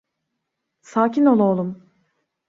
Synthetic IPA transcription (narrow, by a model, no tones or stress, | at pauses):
saːcino̞lˠoːlˠum